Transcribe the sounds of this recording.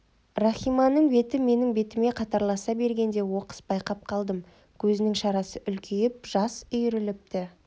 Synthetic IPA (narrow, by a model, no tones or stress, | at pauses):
rɑχʲijmɑnːəɴbe̞t̪ɪme̞nɪŋbe̞t̪ɪme̞qʰɑt̪ɑɾlˠɑsɑbe̞ɾɡʲe̞nd̪e̞wo̞qə̥sbɑjqɑp̚qʰɑlˠd̪əm | kʲʰɵzɪnɪŋʃɑɾɑsəʔʏlkʲʰejɪp̚ʒ̥ɑsʏjɾɪlɪp̚t̪ɪ